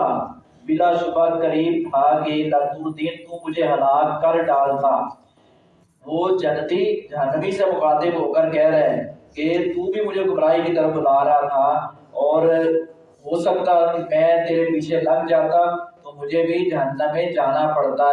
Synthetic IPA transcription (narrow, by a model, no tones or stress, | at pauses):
a | bɪlaːsʊbaːkəɾiːbt̪ʰakeləɡpuːɾd̪iːnt̪ũmʊd͡ʒʱeɦəlaːkkəɾɖaːlt̪ʰaː | ʋoːd͡ʒənːt̪id͡ʒəɦənːəmisemʊxaːd̪ɪbɦoːkəɾkɛːɾɦeket̪ũːbʱimʊd͡ʒʱeɡəmɾaːikit̪əɾəfʊlaːɾat̪ʰaː | ɔːɾ | ɦoːsək̚t̪akemɛ̃ːt̪eːɾepiːt͡ʃʰeləɡ̚d͡ʒaːt̪ãt̪omʊd͡ʒʱebʱid͡ʒɐɦənːəmẽd͡ʒaːnapɐɽt̪a